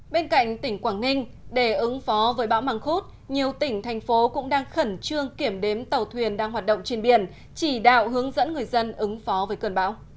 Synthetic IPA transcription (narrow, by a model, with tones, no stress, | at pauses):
ɓe˧nka̰˧˨jŋ̟t̪ï˧˩ŋ̟kwaː˧˩ŋŋï˧ŋ̟ɗe˧˩ʔɨ˨˦ŋfɔ˨˦vəː˨˦jɓa̰ː˧˥wmaː˨˩ŋxu˦˥t̚ | ɲi˨˩əwt̪ï˧˩ŋ̟t̪ʰɛ˨˩jŋ̟fo˨˦kʊ̰˧˥ŋ͡mɗaː˧ŋxə˧˩nt͡ɕɨ˧əŋki˧˩əmɗe˨˦mt̪ə˨˩wt̪ʰwi˨˩ənɗaː˧ŋɦwaː˨˩t̚ɗə̰˧˨wŋ͡mt͡ɕe˧˩nɓḭ˧˩ən | t͡ɕi˧˩ɗa̰ː˧˨wɦɨ˨˦əŋzə̰˧˥nŋɨ˨˩əjzə˧nʔɨ˨˦ŋfɔ˨˦vəː˨˦jkɨ˨˧˩nɓa̰ː˧˥w